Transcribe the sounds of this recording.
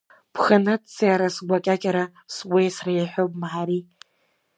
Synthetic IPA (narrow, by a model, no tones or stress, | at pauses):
pʰχanɨtt͡siaɾasɡʷakʲʼakʲʼaɾa | swejsrajħʷᶣopʼmaħaɾi